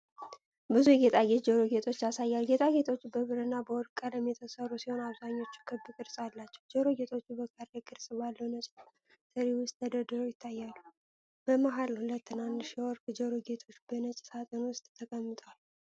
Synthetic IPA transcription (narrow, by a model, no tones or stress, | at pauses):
bɨzuɡe̞t̪ʼaɡet̪d͡ʒəɾoɡe̞t̪ʰʼo̞t͡ʃːjasajːalɡet̪ʼaɡe̞t̪ʼʰo̞t͡ʃːbəβɨɾənːabəwɔɾkʼələmjɛt̪ʰəsərːusiho̞naβzaɲːo̞t͡ʃːu̥kʰɨbːɨkʼɨɾsʼalːat͡ʃːɛwd͡ʒəɾoɡe̞t̪ʰʼo̞t͡ʃːubəkʼəɾekʼɨɾsʼbalːəwnət͡ʃʼ | sʼɨɾewʊst̪ʰːəd̪əd̪ɨɾo̞jɪt̪ʰːajːalːu | b̥əmaɦalhulət̪ːɨnand̪ɨʃwɔɾkʼd͡ʒəɾoɡe̞t̪ʼʰo̞t͡ʃːbənət͡ʃʼsat̪ʼənwʊst̪ʼt̪ʰəkʼəmːɨt̪ʼwal